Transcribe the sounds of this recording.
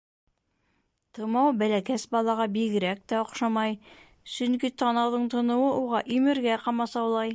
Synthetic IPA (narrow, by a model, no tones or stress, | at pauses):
t̪ɤ̆mɑwbælækæsbɑlˠɑʁɑbiɡɘ̆ɾæk̚t̪æŏqʃɑmɑj | sɵŋkit̪ɑnɑwðɤɴt̪ɤ̆nɤ̆wɤʔuʁɑʔimɘ̆ɾɡæqɑmɑsɑwlˠɑj